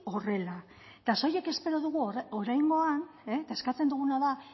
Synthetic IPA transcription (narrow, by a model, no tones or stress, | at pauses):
o̞re̞la | t̪aso̞je̞ke̞spe̞ɾo̞ðuɣuoɾajŋɡo̞ant̪ae̞skat͡se̞nd̪uɣ̞unaða